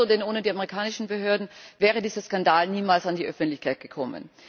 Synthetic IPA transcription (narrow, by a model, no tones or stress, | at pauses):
odɛnʔoːnədiːameʁikʰaːnɪʃn̩bəɦøːɐdn̩vɛːʁ̞ədiːzɐskandaːlniːmaːlsandiːʔœfn̩tlɪçkʰaɪt̚ɡ̥əkʰɔmə̰n